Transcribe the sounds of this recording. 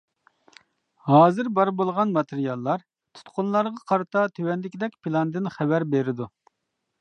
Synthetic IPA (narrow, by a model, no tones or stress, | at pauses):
hɑːzɨɾbɑɾbolˠʁɑnmɑt̪ʰeɾijɑlˠːɑɾ | t̪ʰu̥t̪qʰʊnlˠɑɾʁɑqʰɑɾɨt̪ʰɑt̪ʰøwɛnlɪkʲid̪ɛkʲpʰilˠɑnd̪ɪnχɛvæɾbeɾɪd̪u